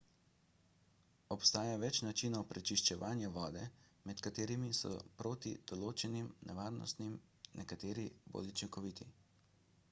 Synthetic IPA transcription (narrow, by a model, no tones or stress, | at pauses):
ɔpst̪aːjaʋɛt͡ʃnat͡ʃinɔwpɾɛt͡ʃiʃt͡ʃɛʋaːnjɛʋɔːd̪ɛmɛt̪kat̪eːɾimisɔ̰pɾoːt̪id̪̥ɔloːt͡ʃɛnimnɛʋaːɾnɔ̰st̪nimnʔɛkat̪eːɾibo̰ːlut͡ʃiŋkɔʋiːt̪ʰi